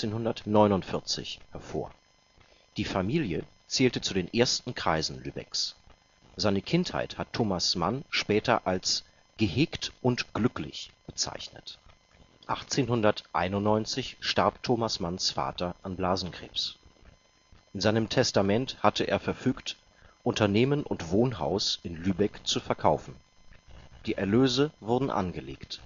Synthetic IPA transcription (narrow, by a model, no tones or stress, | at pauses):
eːnhʊndɐtnɔʏnʊntfɪɐt͡sɪ̰çhɛɐfo̰ːɐ | d̥iːfamiːljə | t͡sɛːltət͡sudeːnʔeːɐstn̩kʁ̥aɪzn̩lyːbɛ̰ks | z̥aɪnəkʰɪntha̰ɪthattʰːoːmasma̰nʃpɛːtɐʔals | ɡ̥əhɛːktʔʊntɡ̥lʏklɪ̰çb̥ət͡sa̰ɪçnə̰t | ʔaχt͡seːnhʊndɐtʔa̰ɪnʊnnːɔʏnt͡sɪçʃtaɐptʰoːmasmansfa̰ːtɐʔanblaːzn̩kʁ̥ḛːps | ʔɪnzaɪnəmtʰɛstamɛnthatʰəʔḛːɐfɛɐfyːkt | ʔʊntɐneːmənʔʊ̰ntv̥oːnɦa̰ʊsʔɪnlyːbɛkt͡sufɛɐkʰaʊfn̩ | d̥iːʔɛɐløːzəvʊɐdn̩ʔa̰nɡəlḛːkt